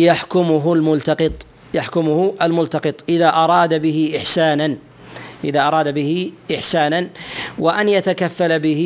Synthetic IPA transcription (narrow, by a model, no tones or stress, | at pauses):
jaħkʊmʊɦʊlmʊlt̪ɑqɨt̪ˤ | jaħkʊmʊhʊʔalmʊlt̪ɑqɨt̪ˤʔɪðaːʔɑɾˤɑːd̪abɪhɪʔɪħsaːnan | ʔɪðaːʔɑɾˤɑːd̪abɪhɪʔɪħsaːnanwaʔanjat̪akafːalabɪh